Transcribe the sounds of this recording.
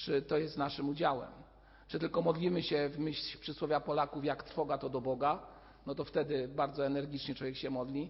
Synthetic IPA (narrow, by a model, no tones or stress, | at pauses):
t͡ʂɘt̪ɔjɛst̪naʂɘmud͡ʑawɛ̰m | t͡ʂɨt̪ɘlkɔmɔd̪lʲimɘɕɛvmɘɕʲpʂɘswɔvʲjapɔlakufjakt̪ɾ̥fɔɡat̪ɔd̪ɔbɔɡa | nɔt̪ɔft̪ɛd̪ɘbaɾd̪zɔɛnɛɾɡʲit͡ʂɲɛt͡ʂwɔvʲjɛkɕɛmɔd̪lʲi